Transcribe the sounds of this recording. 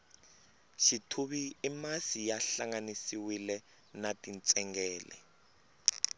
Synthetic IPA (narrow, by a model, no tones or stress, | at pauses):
ʃitʰuβiːmasijaɬaŋanisiwilɛ | natʼint͡sʼɛŋɡɛːlɛ̰